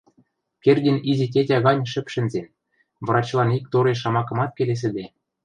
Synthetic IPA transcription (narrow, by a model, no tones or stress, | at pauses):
kerʲdʲĕnizĕt̬ʲetʲɑɣɑnʲʃɘ̆pʃɘ̆nzen | β̆ɾɑt͡ɕlˠɑnik̚t̪oɾeʃɑmɑkɤ̆mɑt̪̚kʲeles̬ɘ̆d̪e